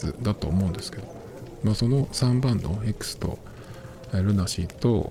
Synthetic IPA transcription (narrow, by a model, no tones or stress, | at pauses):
ɨ̰d̪at̪o̞ːmo̞ɯ̃nd̪e̞sɨ̥ke̞d̪o̞ | maːso̞no̞sãmbãnd̪oekɯ̟̥sɨ̥t̪o̞̰ | eɾɯ̟naɕit̪o̞